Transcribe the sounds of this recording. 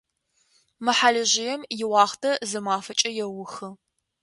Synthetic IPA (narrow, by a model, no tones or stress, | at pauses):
mɨħaɮɨʑɪjɛmjɪwɑːχtʰɐzɨmaːfɐt͡ʃʼɐjɛwʊxɨ